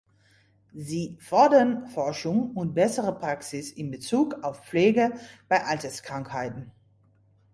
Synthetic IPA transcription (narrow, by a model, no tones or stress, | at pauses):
ziːfɔɐdɐnfɔɐʃʊŋʊnt̚b̥ɛsəʁəpʁ̥aksɪsɪnbət͡suːkaʊfp͡fleːɡəb̥aɪʔaltɐskʁ̥aŋkhaɪtn̩